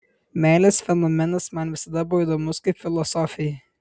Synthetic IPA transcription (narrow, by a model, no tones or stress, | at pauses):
mʲæːlʲɛsfʲɛnomʲɛnɐsmɐnʋʲɪsɐd̪ɐboːjd̪oːmʊskɐɪpfʲɪlˠɔsɔːfʲɪjɛ